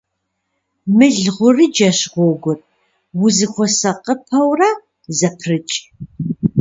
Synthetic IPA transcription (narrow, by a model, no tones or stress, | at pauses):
mɨɮʁʷʊrid͡ʒɐɕʁʷɔɡʷʊr | wʊzɨxʷɔsɐqəpʰɐwra | zɐpʰrɨt͡ʃʼ